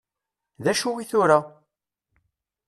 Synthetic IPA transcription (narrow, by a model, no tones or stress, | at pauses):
ðæʃuwiθʊɾa